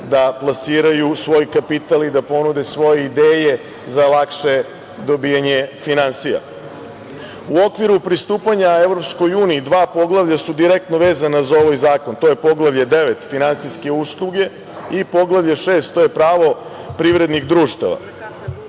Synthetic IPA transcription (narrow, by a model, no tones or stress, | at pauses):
d̪aplˠasiːɾajusʋo̞jkapit̪alid̪apo̞nud̪e̞sʋo̞je̞id̪eːje̞ | zalakʃe̞ | d̪o̞bijaɲefinansija̰ | uo̞kʋiɾupɾist̪uːpaɲaeʋɾo̞psko̞juːniːd̪ʋaːpo̞ɡlˠaʋʎasud̪iɾek̚t̪no̞ʋe̞ːzanazao̞ʋajzaːko̞nt̪o̞je̞po̞ɡlˠaʋʎad̪e̞ʋet̪finansijske̞uslˠuɡe̞ | ipo̞ɡlˠaʋʎeʃeːst̪t̪ːo̞je̞pɾaːʋo̞ | pɾiʋɾe̞d̪niɣd̪ɾuːʃt̪a̰ʋa̰